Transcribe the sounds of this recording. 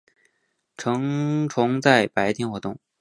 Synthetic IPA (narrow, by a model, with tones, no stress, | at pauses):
ʈ͡ʂʰɤ˧˥ŋʈ͡ʂʰʊ˧˥ŋt͡sa˥˩ɪpa˧˥ɪt̪ʰi˧˥nxwɔ˧˥t̪ʊ˥˩ŋ